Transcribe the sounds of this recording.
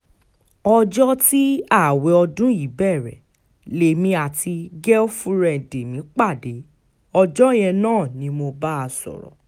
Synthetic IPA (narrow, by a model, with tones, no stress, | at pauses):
ɔ˧d͡ʒɔ˦ti˦a˦˨we˨ɔ˧dũ˦i˨˦bɛ˦˨ɾɛ̰˨ | le˨mĩ˧a˨tʰi˧ɡɛ˦o˦fũ˦ɾɛ˦˨de˨mĩ˨˦k͡pa˦˨de˨˦ | ɔ˧d͡ʒɔ˦j̃ɛ̃˧nãː˦˨nĩ˧˦mo˧ba˦a˧sɔ̰˨ɾɔ̰˨